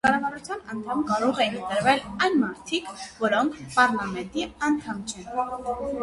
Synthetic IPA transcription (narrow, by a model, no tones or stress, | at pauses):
kɑrɑvɑɾut͡sʰjɑnənt̪ʰɑmkɑɾɔʁɛint̪əɾvɛlɑjnmɑɾt̪ʰikvɔɾɔŋkʰpɑɾlɑmɛnt̪iɑnt̪ʰɑmt͡ʃʰɛn